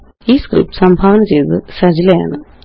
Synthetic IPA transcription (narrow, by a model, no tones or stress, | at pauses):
iːskrḭpːsɐmbʱaːʋɐnɐmt͡ɕe̞jt̪ɨsɐd͡ʑilɐja̰ːɳɨ